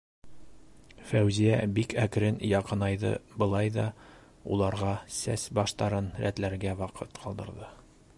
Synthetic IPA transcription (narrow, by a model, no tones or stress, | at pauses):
fæwzijæbikʰækɾɘnjɑqɤ̆nɑjðɤ̰bɤ̆lˠɑjðɒ | ṵlˠɑɾʁɑsæsbɒʃt̪ɑɾɤnɾæ̰t̪læɾɡæwɒqʰɤt̪qʰɒlˠd̪ɤ̆ɾðɤ